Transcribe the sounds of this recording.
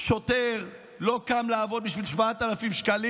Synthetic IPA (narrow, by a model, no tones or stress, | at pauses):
ʃot̪eʁ | lo̞kamlaːvo̞d̪̚biʃvilʃvaat̪alafimʃkali